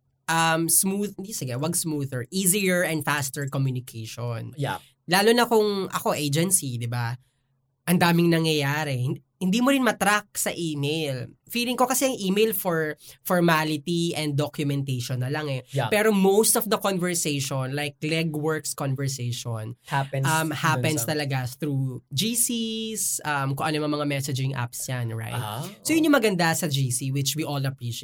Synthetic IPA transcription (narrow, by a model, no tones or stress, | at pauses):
ʔɐmsmuðd̪isɪɡɛwɐɡsmuðɛɹʔiːzijɛɹɛ̃nd̪fast̪ɛɹkɔmjunɪkʰejʃɔn | laːlʊnɐkʊŋʔɐ̰ko̞ʔejd͡ʒɛnsid̪ɪba | ʔɐnd̪aːmɪŋnɐŋjɐjaːɾɛhɪ | hɪnd̪iːmoɾɪnmɐt̪ɾak̚sɐʔiːmejlfiːlɪŋko̞kɐsɛɐŋʔiːmejlfɔɹfɔɹmalɪt̪iʔɛ̃nd̪̚ːokjʊmɛnt̪ejʃɔnːɐlaŋɛpɛɾomowst̪ɔfd̪ɐkonvɛɹsejʃɔnlajk̚lɛɡwɛɹkskɔnvɛɹsejʃonhʔɐmmhapɛ̃nst̪ɐlɐɡat̪ɾuːd͡ʒisisʔɐmkʊŋʔɐnomɐmɐŋamɛsɛd͡ʒɪ̃ŋʔa̰psjanɹa̰jt̪̚sojʊnɲjʊŋmɐɡɐnd̪asɐd͡ʒiːsiwɪt͡ʃwiʔolɐpɹiʃ